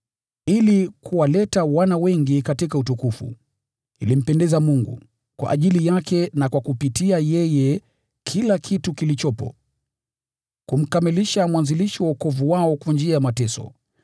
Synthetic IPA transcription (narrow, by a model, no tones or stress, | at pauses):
ilikuwalɛtawanawɛŋɡikatikautukufṵ | ilim̩pɛndɛzamuŋɡṵ | kwa̰ʔaʄilijakɛnakwakupitiajɛjɛ | kʰilakʰitukilit͡ʃɔpɔ̰ | kum̩kamiliʃamwanziliʃiwaukɔvuwaɔkwand͡ʒiajamatɛsɔ̰